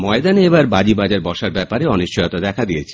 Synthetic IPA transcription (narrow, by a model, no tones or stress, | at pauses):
mɔed̪aneebaɾbad͡ʑibad͡ʑaɾbɔʃaɾbɛpaɾeɔniʃt͡ɕɔjot̪ad̪ɛkʰad̪iet͡ɕʰe̥